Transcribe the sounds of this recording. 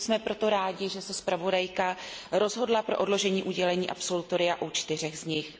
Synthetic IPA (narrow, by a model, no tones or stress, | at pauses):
smɛpɾo̞t̪o̞ɾaːɟɪʒɛsɛspɾavo̞dajkaɾo̞zɦo̞dlapɾo̞ʔodlo̞ʒɛɲiːʔuɟɛlɛɲiːʔa̰pso̞lut̪o̞ɾɪjaʔut͡ʃt̪ɪr̝ɛɣzɲɪx